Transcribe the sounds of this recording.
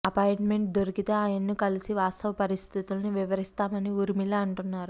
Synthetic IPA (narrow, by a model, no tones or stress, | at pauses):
ɐpaːjɳʈme̞ɳʈ̚d̪oɾikit̪e̞ːaːjɐnːikɐlisiʋaːst̪ɐʋɐpɐɾist̪ʰit̪ulniʋiʋɐɾist̪aːmɐniuːɾimilaːɐɳʈunːaːɾu